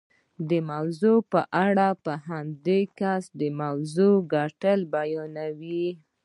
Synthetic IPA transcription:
d̪əmawzopəʔaɽapəɦamd̪ekasd̪əmawzoɡaʈəlbajɑnawi

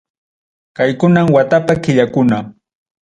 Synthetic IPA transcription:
kajkʊnamwat̪apakɪʎakʊna

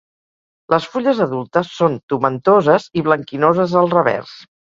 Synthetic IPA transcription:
lʔəsfuʎəzəðulˠt̪əsːont̪umənt̪ozəziβləŋkinozəzəlˠrəβɛ̰rs

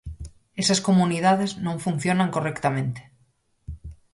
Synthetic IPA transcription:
esaskomunið̞aðe̞znõɱfun̟θjo̞nãŋkorekt̪amẽnt̪e̥

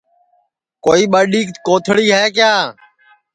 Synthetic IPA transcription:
koːiːɓəːɗiːkkoːt̪ʰɽiːɦɛːkjaː

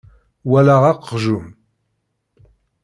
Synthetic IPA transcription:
walaʁɑqːʒum

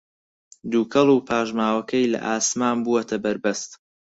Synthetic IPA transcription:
d̪uːkʰɐlˠuːpʰaːʒmaːwɐkʰɐjlɐ̰ʔaːsmaːnbuɐt̪ʰɐbɐɾbɐst̪

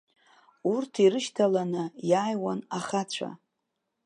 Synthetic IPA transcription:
urtʰiɾɨʃtʰalanɨjaːjwanaχat͡ɕʷʰa̰

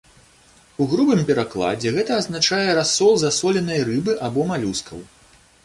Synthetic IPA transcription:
uɣɾubɨmpʲɛɾaklˠa̰d͡zʲɛɣɛt̪ɐːznat͡ʂajɛɾasːɔlˠzasɔlʲɛnɐjrɨbɨʔabɔmalʲuskɐ̰w

